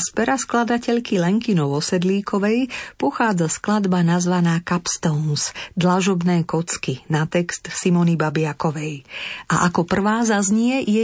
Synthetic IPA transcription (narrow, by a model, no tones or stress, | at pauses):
spɛɾasklad̪acɛʎkilɛŋkinɔʊɔsɛd̪liːkʰɔʋɛjpɔxaːd͡zasklad̪banazʋanaːkapst̪ɔʊnsd̪laʒɔbnɛːkɔt͡skinat̪ɛkst̪simɔnibabɪakɔʋɛjʔa̰ʔakɔpr̩ʋaːzazɲɪɛjɛ